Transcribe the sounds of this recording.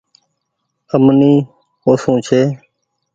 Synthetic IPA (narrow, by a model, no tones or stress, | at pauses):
əmniː | koːsũːt͡ʃʰeː